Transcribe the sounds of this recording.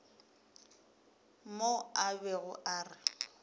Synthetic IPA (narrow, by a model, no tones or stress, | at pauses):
moabɛɣʊʔaːrɪ